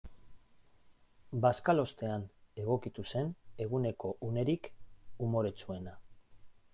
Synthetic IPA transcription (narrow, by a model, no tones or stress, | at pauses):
baskalo̞st̪e̞ane̞ɣ̞o̞kit̪use̞ne̞ɣ̞une̞ko̞ʔune̞ɾikumo̞ɾe̞t͡sue̞na